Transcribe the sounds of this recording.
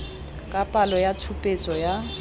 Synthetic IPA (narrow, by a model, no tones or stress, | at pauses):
kʼapʼalɔjatʰupʼet͡sʼɔja